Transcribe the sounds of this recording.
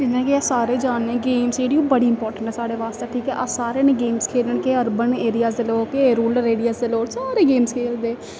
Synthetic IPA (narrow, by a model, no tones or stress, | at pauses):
d͡ʒɪnẽːkeɛːsaːɾeːd͡ʒaːnnẽːɡeːmseːɖijõːbəɽiːɪmpɔːɾʈəɳʈɛːsaːɽeːʋaːst̪eːʈʰiːkɛːʔasaːɾeːnẽːɡeːmskʰeːləɳkeːəɾbəneːɾɪjaːsd̪eloːkeɾuːləɾeːɽijaːsd̪eloːsaːɾeːɡeːmskʰeːld̪eː